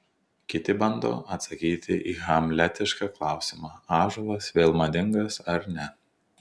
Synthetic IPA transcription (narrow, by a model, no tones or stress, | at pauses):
kʲɪt̪ʲɪbɐnd̪o̰ːɐt̪sɐkʲiːt̪ʲɪʔiːɣɐmʲlʲɛt̪ʲɪʃkɑːklˠɑˑʊsʲɪmɑːɑːʒoʋˠɐsʋʲeːlˠmɐd̪ʲɪŋɡɐsɐɾnʲɛ